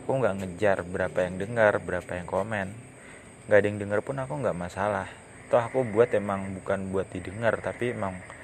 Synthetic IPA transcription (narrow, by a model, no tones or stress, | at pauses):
akuŋɡaʔŋəd͡ʒarbəɾapajaŋdəŋərbəɾapajaŋkomɛn | ɡadɪŋdəŋərpʊnakuŋɡaʔmasalah | t̪ɔakubuat̪emaŋbukanbuat̪̚didəŋərt̪apiemaŋ